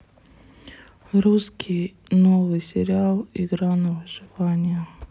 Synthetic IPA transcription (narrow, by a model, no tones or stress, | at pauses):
ɾuskʲʰij | novɨjsʲɪɾʲɪalˠiɡɾanəvɨʐɨvanʲɪjə